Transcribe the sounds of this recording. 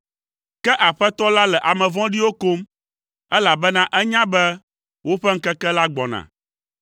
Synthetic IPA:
kɛ˦ʔa˨ɸɛ˦t̪ɔ˦la˦lɛ˨ʔa˨mɛ̃˨vɔ̃˦ɖi˦wo˦ko˦m | ɛ˦la˨bɛ˦nã˦ʔɛ˦ɲã˦bɛ˦ | wo˦ɸɛ˦ŋ̩˦kɛ˦kɛ˦la˦ɡ͡bɔ˨nã̰˨

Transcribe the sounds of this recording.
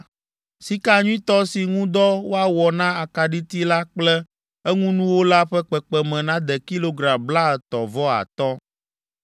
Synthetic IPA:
si˦ka˦ɲũ˦ĩ˦t̪ɔ˦si˨ŋũ˦d̪ɔ˦wo˦a˨wɔ˨nã˦a˨ka˨ɖi˦t̪i˦la˦k͡plɛ˦ | ɛ˦ŋũ˦nũ˦wo˦la˦ɸɛ˦k͡pɛ˨k͡pɛ˨mɛ̃˨nã˦d̪ɛ˨ki˦lo˦ɡɾã˨mbla˦˨t̪ɔ˨vɔ˦a̰˨t̪ɔ˦

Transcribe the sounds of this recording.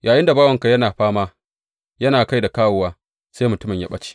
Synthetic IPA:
jʔaː˨jɪ˦nda˨baː˦wɐ˨ŋka˨jɐ˦naː˨ɸaː˦maː˦ | jɐ˦naː˨ka˦jda˨kaː˦wʊ˨waː˦ | seː˦jmʊ˨tʊ˦mɪ˨ɲja̰˦ɓɐ˦t͡ʃi̥˦

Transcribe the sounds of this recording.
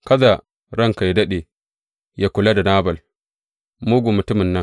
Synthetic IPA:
kɐ˦za˨ | ɾɐ˦ŋka˨jdɐ˦ɗe˨ | ja˦kʷʊ˨la˦da˨naː˦bɐ˨l | muː˦ɡʷu˨mʊ˨tʊ˦mɪ˨nːɐ˦ŋ

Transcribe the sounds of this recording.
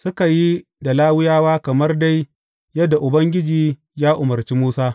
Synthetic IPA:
sʊ˦ka˨ji˦ | da˨laː˦wɪ˦jaː˦waː˦kɐ˨mɐ˦rda˦j | jɐ˦dːa˨ʔʊ˨bɐ˦ŋɡʲɪ˦d͡ʒiː˨˦ | jaː˦ʔʊ˨mɐ˨rt͡ʃi˦muː˦saː˦

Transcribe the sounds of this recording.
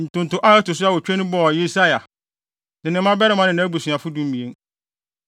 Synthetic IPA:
n̩˨tʊ̃˨n̩˨tʊ̃˦ʔa˦ɛ˦tʊ˨s̬ʊ˦a˦wɔ˨t͡ɕᶣɛ˦nʊ̃˦bɔ˦˨je˦sa˦ja˨ | nɪ̃˨nɪ̃˨mã˦bɛ˦ɾɪ˨˦mã˦nɪ̃˨nã˦bu˨sɥa˨fʊ˦dũ˦m̩˦mĩ˨e˦ŋ

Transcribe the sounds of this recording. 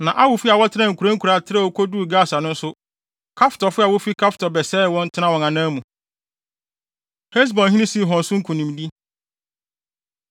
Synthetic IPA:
nã˨ʔa˦wʊ˨fi˦a˨wɔ˦tʰɪ˦nã˦ŋ̩˨kʰu˨ɾã˦ŋ̩˦kʰu˨ɾa˨tʰɪ˦ɾa˦˨wo˦kʰo˦du˦˨ɡaː˦˨sa˨nʊ̃˦n̩˦sʊ˦ | kʰa˦ftɔ˨fʊ˦a˨wɔ˦fi˦kʰa˦ftʰɔ˨bɛ˨sɛ˦˨wɔ̃˦n̩˦tʰɪ˦nã˦wɔ̃˨ŋã˨nãː˦mũ˨ | he˦s̬bɔ̃˨nɦĩ˦nĩ˦si˦˨ɦɔ̃˨n˨sʊ̃˦ŋ̩˦kʰũ˨nĩ˨mdi˦

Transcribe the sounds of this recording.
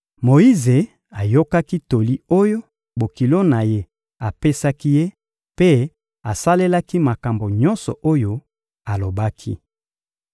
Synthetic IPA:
mo˨i˦ze˨ | a˨jo˦ka˦ki˦to˨li˦o˦jo˦ | bo˨ki˨lo˦na˨je˦ | a˨pe˦sa˦ki˦je˦ | pe˦ | a˨sa˦le˦la˦ki˦ma˨ka˨mbo˨ɲɔ˦nsɔ̰˨ʔo˦jo˦ | a˨lo˨ba˦kʰḭ˦

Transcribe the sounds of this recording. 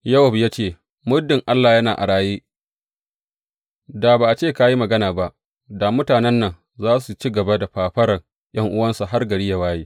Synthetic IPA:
jɐ˦wɐ˨bjaː˦t͡ʃeː˦˨ | mʊ˦dːɪ˨ŋʔa˦lːaː˨jɐ˦naː˨ʔa̰˨ɽaː˦jeː˦ | da˨baː˨ʔa˨t͡ʃeː˦˨ka˦ji˦mɐ˨ɡɐ˦naː˨ba˦ʔ | da˨mʊ˦taː˨nɛ˦nːɐ˨ŋ | zaː˦su˨t͡ʃi˦ɡɐ˨ba˦da˨ɸaː˨ɸɐ˦ɾɐ˨ŋ | j̰ɐ˦ŋʔʊ˦wɐ˦nsa˨ɦa˦rɡɐ˨ɽɪ˦ja˨waː˦jeː˦

